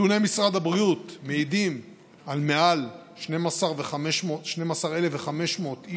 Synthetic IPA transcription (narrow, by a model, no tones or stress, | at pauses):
unemisʁad̪habʁiut̪meidim | almealʃne̞masaʁveχameʃmotʃne̞masaʁe̞leveχame̞ʃmo̞ːt̪i